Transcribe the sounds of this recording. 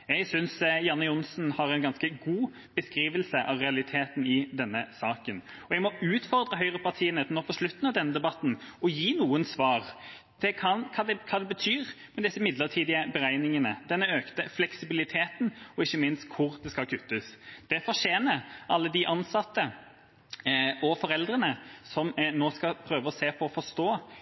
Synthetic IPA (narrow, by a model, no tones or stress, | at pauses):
ɛɡsʏnsjɑnːəʊnsn̩hɑɾɛɪnɡɑnskəɡuː | b̥əskɾiːʋəlsəʔɑʋʁɛɑlɪt̪ʰeːt̪n̩ɪd̪ɛnːəsɑːkənɔɛɡmɔʉːt̪fɔɾd̪ɾəɦœʏɾəpʰɑʁt̪ʰiːənət̪nɔpʰɔʂlʉt̪n̩ɑʋd̪ɛnːəd̪ɛbɑt̪ːn̩ɔjiːnuːənsʋɑːʁ | t̪ʰɪkʰɑkʰɑːd̪ɛkʰɑːd̪ɛbət̪ʰyːʁ | mɛd̪ɪsːəmɪd̪ləʁt̪ʰiːd̪ɪəbəɾæɪnɪŋənəd̪ɛnːəøːkt̪əflɛksɪbɪlɪt̪ʰeːt̪n̩ɔɪçːəmɪnst̪kʰʊɾd̪ɛskɑkʰʉt̪ːəsd̪̥ɛfɔɾʂeːnəɾʔɑlːəd̪ɪʔɑnsɑt̪ːə | ɔfɔɾɛld̪ɾənəsɔmnoːskɑpʰɾøːʋəɔseːpʰɔːfɔst̪oː